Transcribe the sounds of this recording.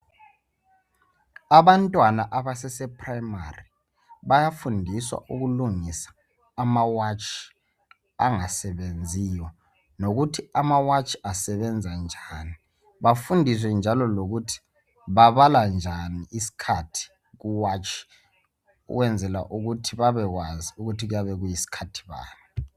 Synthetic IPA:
aβantʼwanaʔaβasɛsɛpʰʼraima̰ri | βajafundʱiswa̰ʔuɣuluŋisḁː | mawat͡ʃʰʼi̥ | a̰ŋasɛβend͡zʱijɔ | noɣutʰiamawat͡ʃʰʼi̥asɛβɛnd͡zʱand͡ʒʱani | βafundʱis̬wɛnd͡ʒʱalɔloɣutʰi̥ | βaβaland͡ʒʱaniisi̥kʰatʰi̥ | ɣuwat͡ʃʰʼi̥ | ṵɣwɛnd͡zʱɛla̰ʔuɣutʰiβaβɛɣwaziuɣutʰiɣujaβɛɣujisi̥kʰatʰi̥βa̰ːni

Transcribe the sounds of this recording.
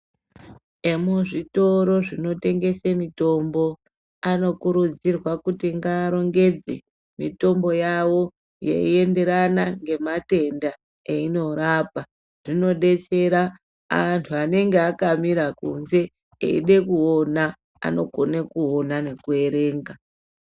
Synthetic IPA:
emuʐito̞ɾo̞ʐino̞te̞ŋɡe̞semito̞mbo̞ | ano̞kuɾud͡zirwakutiŋɡaːɾo̞ŋɡed͡zḛ | mito̞mbo̞jawo̞ | jḛie̞nde̞ɾanaŋɡe̞mate̞nda | eino̞ɾaːpa | ʐ̥ino̞ɗe̞t͡seɾa | antʰuane̞ŋɡeakamiɾakṵnze̞ | ḛḭɗe̞kuo̞na | a̰no̞ɡo̞nekuonane̞kue̞ɾe̞ːŋɡa

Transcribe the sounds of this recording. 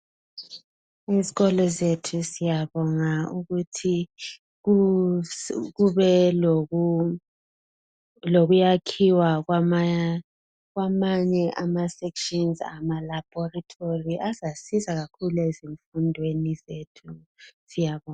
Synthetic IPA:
iziɣɔlɔzetʰusijaβɔŋauɣutʰi | u | ɣuβɛlou | loɣujakʰiwaɣwaa | ɣwamaɲɛʔamasɛkʃɔnza̰malab̥ʱɔratʰoriʔazasizaɣakʰulueziɱfundʱwenizetʰu | sijaβɔŋa

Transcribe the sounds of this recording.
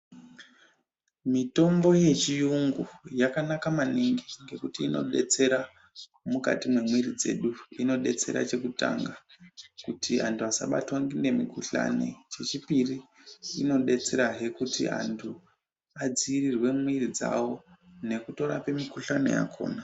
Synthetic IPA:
mito̞mbo̞je̞t͡ʃijuŋɡujakanakamaniŋɡiŋɡe̞kutiːno̞̰ɗe̞t͡se̞ɾa | muka̰timwemwirid͡ze̞̰ɗuino̞ɗe̞t͡se̞ɾa̰t͡ʃe̞kuta̰ŋɡakutʰiantʰuasa̰ɓa̰twaŋɡinde̞mikuɬa̰nḛt͡ʃe̞t͡ʃipiriːno̞ɗe̞t͡se̞ɾaɦe̞kutḭa̰ntʰu | ad͡ziːrirwe̞mwirid͡za̰wo̞ne̞kuto̞ɾa̰pe̞mikuɬane̞̰ja̰kʰo̞̰ːna

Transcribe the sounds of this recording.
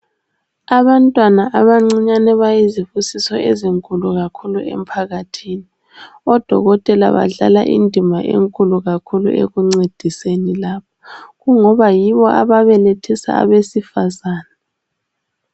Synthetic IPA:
aβantʼwanaʔaβaŋ͡ǀiɲanɛβajizifusisɔeziŋkʼuluɣakʰuluʔḛm̩pʰaɣatʰiːni | ɔd̥ʱɔ̰ɣɔtʼɛla̰βa̰ɮa̰la̰ʔḭndʱimaʔḛŋkʼuluɣakʰulṵʔḛɣuŋ͡ǀed̥ʱisenilaːpʰḁɣuŋɔβajiβɔʔa̰βaβɛletʰisa̰ːβesifazaːna

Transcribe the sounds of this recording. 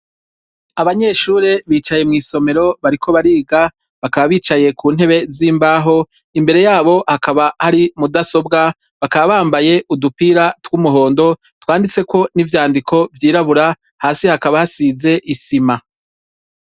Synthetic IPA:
aβaɲe̞ːʃuːɾeβiːt͡ʃaje̞mŋiːso̞me̞ɾo̞βaɾikʰo̞βaɾiːɡa | βakaβaβiːt͡ʃaje̞kʰuːn̥he̞βe̞ziːmbaːɦo̞ | imbe̞ɾe̞jaːβo̞hakaβahaɾimudaso̞bɡa | βakaβaβaːmbaje̞ʔudupiːɾatwumuɦo̞ːndo̞ | twaːndit͡se̞ko̞nivjaːndikʰo̞vjiːɾaβuɾa | haːsihakaβahasize̞ʔisima

